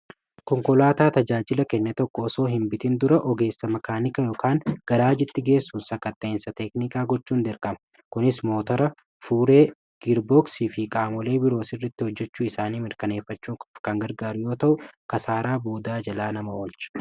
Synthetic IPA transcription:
kɔŋkɔlaːt̪aːt̪ɐd͡ʒaːd͡ʒɪlɐkɛnːɛt̪ɔkːɔːso̞ːɦɪmbɪt̪ɪnd̪ʊɾɐʔɔɡe̞ːsːɐmɐkaːnɪkɐjoːkaːŋɡ̥ɐɾaːd͡ʒɪt̪ːɪɡe̞ːsːuːnsɐkːɐt̪ːɐɪnsɐt̪ɛknɪkaːɡɔt͡ʃːuːnd̪ɛɾkɐmɐ̥ | kʊnɪsmo̞ːt̪ɐɾɐ | fuːɾe̞ː | ɡ̥ɪɾboksiːfɪkʼaːmɔle̞ːbɪɾo̞ːsɪrːɐt̪ːɪhɔd͡ʒːɛt͡ʃːuːɪsaːniːmɪɾkɐne̞ːfːɐt͡ʃːuːkʼkɐŋɡɐɾɡaːɾʊjo̞ːt̪ɐʔʊkɐsaːɾaːboːd̪aːd͡ʒɐlaːnɐmɐwɔlt͡ʃɐ̥

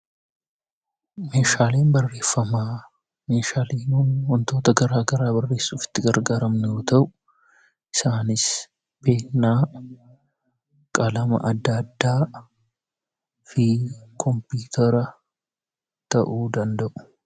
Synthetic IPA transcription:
me̞ːʃaːleːnbɐrːe̞ːfːɐmaː | me̞ːʃaːleːnunwɔnt̪o̞ːt̪ɐɡɐɾaːɡɐɾaːbɐrːe̞ːsːuːfɪ̥t̪ːɪɡɐɾɡaːɾɐmnɛjoːt̪ɐʔʊʊ | ɪsaːnɪs | be̞ːnːaː | kʼɐlɐmɐ̰ʔɐd̪ːɐd̪ːaː | fɪkʰɔmpuːt̪ʰɐɾɐ | t̪ɐʔuːd̪ɐnd̪ɐʔʊ̥

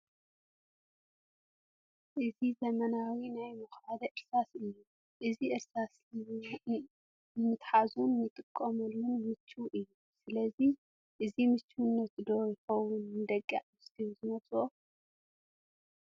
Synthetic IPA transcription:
ʔɨzizɐmɐnawinajmɐxad̪ɐʔɨɾsasɨjːu | ʔɨziʔɨɾsaslɨ | ɨmɨt̪ħazunjɨt̪ʼɨkʼːɐmɨlːunmɨt͡ʃʰːuʔɨjːu | sɨlɐzi | ʔɨzimɨt͡ʃʰːunːɐt̪d̪ojɪxɐwunnɨd̪ɐkʼːa̰ʕmɨst̪ʰiwzɨmɐsʼuo

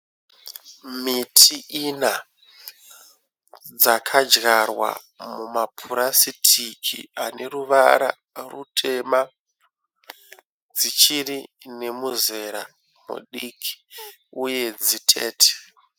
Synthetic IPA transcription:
mitʰiʔina | d͡zakʰad͡ʒɣarwa̰ | mumapʰuɾasitʰikʰḭane̞ruʋaɾa̰ | rṵtʰe̞ma | d͡zit͡ʃiri | ne̞muze̞ɾa | mṵɗikʰi̥ | uje̞d͡zitʰe̞̰ːtʰe̥

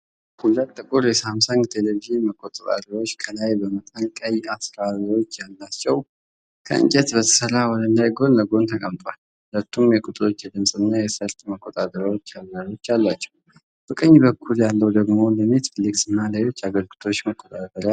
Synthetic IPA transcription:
hulət̪ʼːɨkʼuɾjɛsamsaŋt̪ʰeleviʒɨnməkʼːot̪ʼət̪ʼa̰d̪əɾo̞t͡ʃːkʰəlajbəmət̪ʼənkʼəjasɾaβwo̞t͡ʃːjalːat͡ʃːɛw | kʰə̰ɨ̰ɲt͡ʃʼɛt̪bət̪ʰə̥səɾːawɔd̪ənd̪ajɡo̞nləɡo̞nt̪ʰəkʼəmt̪ʼwal | hhulət̪ːumjɛkʼut̪ʼɨɾo̞t͡ʃːjɛd̪ɨmsʼɨnːajɛsəɾt̪ʼməkʼːot̪ʼat̪ʼəɾəwot͡ʃːalːaɾo̞t͡ʃːjalːat͡ʃːɛ̥w | b̥əkʼəɲːbəkʰːuljalːəwd̪əɡmo̞ləmet̪flːiksɨnːalajo̞t͡ʃːaɡəlɡɨt̪ʰo̞t͡ʃːməkʷʼːot̪ʼat̪əɾ

